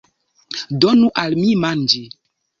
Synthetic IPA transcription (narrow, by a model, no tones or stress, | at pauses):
dɔnuʔalmimand͡ʒe